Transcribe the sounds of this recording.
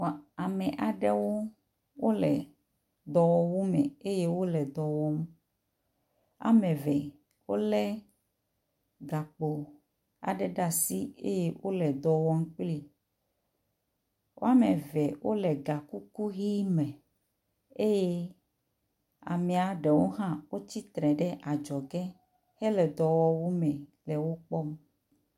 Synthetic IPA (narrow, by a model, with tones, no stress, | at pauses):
a˨mɛ˨ʔa˨ɖɛ˦wo˦ | wo˦lɛ˨ | d̪ɔ˨wɔ˦wo˦mɛ˨e˦je˦wo˦lɛ˨d̪ɔ˨wɔ˦m˦ | a̰˨mɛ̃˨vɛ˨ | wo˦lɛ˦ | ɡa˨k͡po˨ | a̰˨ɖɛ˨ɖa˦˨si˦ḛ˦je˦wʔo˦lɛ˨d̪ɔ˨wɔ˦ŋ̩˦k͡pli˦ | wʔo̰˦a˦mẽ˨vɛ˨wʔo˦lɛ˨ɡa˨ku˦ku˦ɣi˦mɛ̃˨ | e˦je˦ | a̰˨mɛ̃˨a˨ɖe˨wo˦ɦã˦wo˦t͡ɕi˦t̪ɾɛ̃˨ɖɛ˦ʔa˨d͡ʒɔ˨ɡɛ˦ | hɛ˦lɛ˨d̪ɔ˨wɔ˦wu˦mɛ̃˨lɛ˨wo˦k͡pɔ˦m